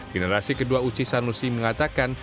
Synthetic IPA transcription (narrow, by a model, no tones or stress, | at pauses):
ɡənəɾasikəduaut͡ʃisanusiməŋat̪akan